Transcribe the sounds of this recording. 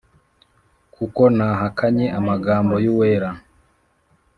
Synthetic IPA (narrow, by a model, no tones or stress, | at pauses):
kʰukonaɦakaɲeʔamaɡaːmbojuweɾa